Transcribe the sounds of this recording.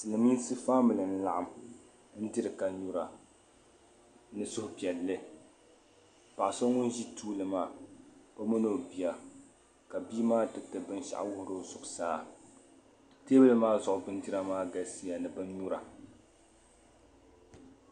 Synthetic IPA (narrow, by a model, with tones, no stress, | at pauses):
tɨ˨lɨ˨mi˦nsɨ˦faː˦mɨ˨lɨ˨n̩˦la˨ʔa˨m | n̩˦dɨ˦ɾɨ˨ka˨ɲu˦ɾa˨ | nɨ˦sʊ˦hʊ˨pi˨ɛ˨lːɨ˦ | pa˨ʔso˦ŋʊ˦nʒi˦tuː˦lɨ˨maː˦˨ba˦mo˦no˦˨bi˨ja˨ | ka˨biː˦maː˦dɨ˨˦tɨ˨bɨ˦n˦ʃa̰˨ʔwʊ˦hʊ˦ɾo˦zʊ˨ʔʊ˨saː˦ | teː˦bɨ˦lɨ˦maː˦zʊ˨ʔʊ˨bɨ˦n˦di˦ɾa˦maː˦ɡa˨si˦ja˨nɨ˨bɨ˦nɲu˦ɾa˨